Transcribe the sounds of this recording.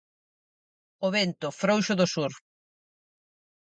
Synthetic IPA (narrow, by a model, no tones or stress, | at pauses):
oβent̪ʊfɾowʃʊðʊsuɾ